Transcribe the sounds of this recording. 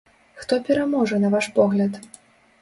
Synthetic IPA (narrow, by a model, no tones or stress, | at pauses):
xt̪ɔpʲɛɾamɔʐɐnɐvaʂpɔɣlʲɐt̪